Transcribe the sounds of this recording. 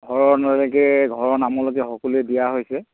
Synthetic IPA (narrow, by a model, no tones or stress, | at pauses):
ɡʱɔɹɔnalɔɡɛɡʱɔɹɔnamɔloɡɛxɔkɔluɛdijaɦojsɛ